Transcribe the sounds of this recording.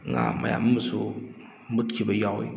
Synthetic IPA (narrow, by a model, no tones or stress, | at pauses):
ŋa̰ma̰ja̰mmusu | mutkʲibɐjawḭ